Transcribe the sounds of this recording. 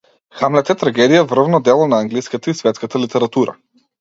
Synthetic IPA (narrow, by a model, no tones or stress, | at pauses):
xamlɛt̪ɛt̪ɾaɡɛd̪ijavr̩vnɔd̪ɛlˠɔnaːŋɡliskat̪aisvɛt̪skat̪alit̪ɛɾat̪uɾa̰